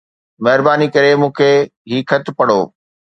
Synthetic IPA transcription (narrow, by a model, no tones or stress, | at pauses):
mɐɦɪɾbaːnikɐɾemũːkʰeɦiːkʰɐt̪pɐɽo̰ː